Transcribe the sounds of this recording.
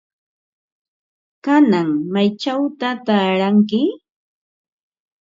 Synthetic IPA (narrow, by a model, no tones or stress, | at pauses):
kanaŋmajt͡ʃawt̪at̪aːɾaŋkɪ